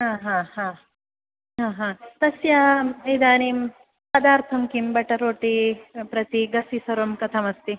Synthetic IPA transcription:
ɦãːɦãːhãː | ɦãːɦãːt̪ɐsjaid̪aːnim | pɐd̪aːɾt̪ʰɐmkimbɐʈɐɾoːʈipɾɐt̪iɡɐsisɐɾomkɐt̪ʰɐmɐst̪i

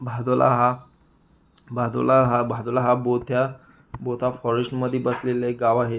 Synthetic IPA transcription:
bʱad̪olʔa̰ɦa | bʱad̪o̰laɦabʱad̪olaɦabot̪ʰja | bot̪ʰafɔɾesʈməd̪ʱːjebəsleleɡaʋaɦe

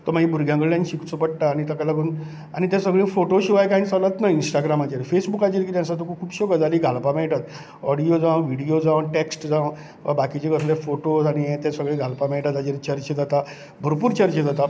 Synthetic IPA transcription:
t̪əɾmaɦĩbʱuɾɡʱjãŋkəɾlãnɕikt͡səpəɽʈaːñit̪əkalaɡuːn | añit̪ɛ̃səɡɭẽfoʈoɕiʋajkaint͡salət̪nainsʈaɡɾamat͡ɕeɾfesbukad͡ʑiɾɡit̪jãnsat̪ukʰukʰuːbɕoɡəd͡zaliɡʱalpameɭʈat̪ | ɔɽijod͡zãʋʋiɽijod͡zãʋʈeksʈd͡zãʋ | ʋa̰bakit͡ɕeɡəslefoʈoañijẽt̪ɛ̃səɡɭẽɡʱalpameɭʈat̪ad͡ʑeɾt͡ɕəɾt͡ɕed͡zat̪a | bʱəɾpuːɾt͡ɕəɾt͡ɕed͡zat̪a

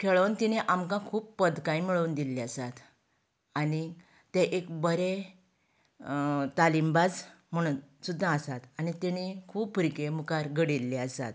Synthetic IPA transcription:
kʰeɭəwnt̪iniʔamkãkʰuːppəd̪kãjmiɭəund̪ilːeəsat̪ | ani | t̪eʔekbəɾe | t̪alimbad͡z | m̤əɽ̃uːnsud̪ʱːãəsat̪anit̪eñikʰuːbfəɾikemukaɾɡəɽilːeəsa̰t̪

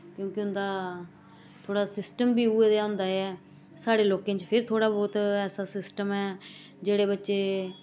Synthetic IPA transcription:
kjõːkɪʊnd̪aː | t̪ʰoːɽaːsɪsʈəmbiːuːeːd̪jaːɦʊ̃nd̪aːɛː | saːɽeːloːkẽːt͡ʃpʰɪɾt̪ʰoːɽaːbɔːt̪ɛːsaːsɪsʈəmɛː | d͡ʒeːɽeːbətːʃeː

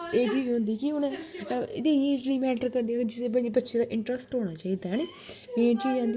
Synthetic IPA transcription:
eːt͡ʃiːzɦʊ̃nd̪iːkɪʊnẽɪd̪ẽːeːd͡ʒliːmɛːʈəɾkəɾd̪iːaːkd͡ʒɪseːbəd͡ʒebətːʃʰeːd̪aːʔɪ̃ɳʈɾəsʈɦoːɽ̃aːt͡ʃaːiːd̪aːɦɛːneː | mẽːt͡ʃiːd͡ʒãːnd̪

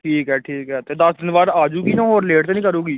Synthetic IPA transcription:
ʈʰiːkɦɛːʈʰiːkɦɛt̪eːd̪ɐsd̪ɪnbaːd̪aːd͡ʒuːkiːnãːɦoːɾɪleːʈt̪eːnĩːkəɾuːɡiː

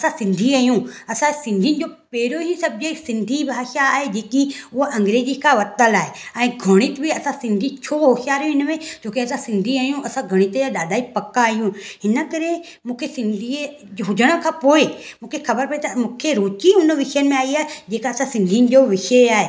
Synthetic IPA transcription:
ɐsãsɪ̃nd̪ʱiaːjũɐsãsɪ̃nd̪ʱiənɪ̆d͡ʑopeːɾoɦisɐb̚d͡ʑesɪ̃nd̪ʱibʱaːʃaːɦed͡ʑeːkiʊɦʔɐ̃ŋɡɾeːzikʰaʋɐt̪əlaːɦeɛ̃ːɡʱɐɽ̃ɪt̪bʱiɐsãsɪ̃nd̪ʱit͡ɕʰoɦoʃjaːɾjũɪnəmẽd͡ʑoːkiɐsãsɪ̃nd̪ʱiaːjũɐsãɡʱɐɽ̃ɪt̪jaɗaːd̪ʱaːipɐkːaːɦijũhɪnə̆kɐɾe | mũːkʰesɪ̃nd̪ʱi | ɦʊd͡ʑəɽ̃ə̆kʰãːpoːemũːkʰexɐbəɾpɐet̪ɐmũːkʰeɾoːt͡ʃiʊnʋɪʃəjən̆mẽaːiaːɦed͡ʑeːkaɐsãsɪ̃nd̪ʱijnɪ̆d͡ʑoʋɪʃəaːɦe

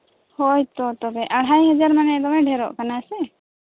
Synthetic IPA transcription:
hojt̪ɔt̪ɔbɛʔaɽ̤ɦajɦɛd͡ʒaɾmanɛd̪ɔmɛɖʱɛɾɔ̰ʔkanasɛ

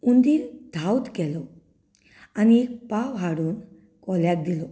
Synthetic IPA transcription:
und̪id̪ʱawt̪kɛlɔ | anipaʋɦaɽuːn | kɔljak̚d̪ilɔ

